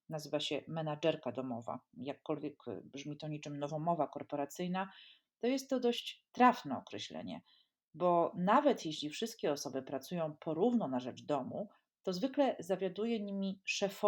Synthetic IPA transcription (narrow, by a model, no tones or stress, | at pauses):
nazɘvaɕɛmɛnad͡ʐɛɾkad̪ɔmɔva̰jakːɔlvʲjɛkbʐmʲit̪ɔɲit͡ʂɘmnɔvɔmɔvakɔɾpɔɾat̪sɘjna | t̪ɔjɛst̪ːɔd̪ɔɕt͡ɕt̪ɾafnɛɔkɾɛɕlɛ̰ɲɛ̰ | bɔnavɛt̪jeɕlʲifʂɘst̪̚kʲɛɔsɔbɘpɾat̪sujɔ̃w̃pʰɔɾuvnɔnaʐɛd͡ʐd̪ɔmṵ | t̪ɔzvɘklɛzavʲjad̪ujɛɲimʲiʂɛfɔ